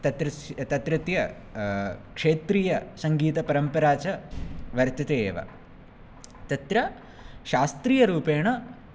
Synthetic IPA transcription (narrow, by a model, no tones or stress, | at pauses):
t̪ɐt̪ɾɐt̪ɐt̪ɾɐt̪jɐ | kʂeːt̪ɾiːjɐsɐŋɡiːt̪ɐpɐɾɐmpɐɾaːt͡ʃɐʋɐɾt̪ɐt̪eeːʋɐ̰ | t̪ɐt̪ɾɐ | ʃaːst̪ɾiːjɐɾuːpeːɳɐ